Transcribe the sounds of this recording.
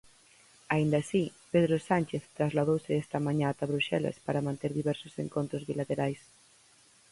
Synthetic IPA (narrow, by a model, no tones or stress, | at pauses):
aind̪asipeð̞ɾosanʲt͡ʃeθt̪ɾazlað̞owsɪɛst̪ɐmãɲãːt̪aβɾuʃɛla̰spaɾamãnt̪eɾðiβɛɾso̥sḛŋkont̪ɾozβilat̪eɾajs